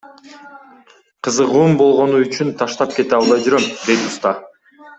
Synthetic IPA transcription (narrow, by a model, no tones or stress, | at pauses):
qʰɯzɯʁuːmbo̞lˠʁo̞nuyt͡ʃynt̪ʰɑʃt̪ɑp̚ke̞t̪eɑlˠd̪ɑjd͡ʒyɾømd̪e̞jt̪ust̪ɑ